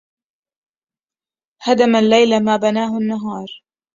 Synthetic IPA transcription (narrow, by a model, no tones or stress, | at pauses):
had̪amalːajlamaːbanaːhʊanːaɦɑːɾˤ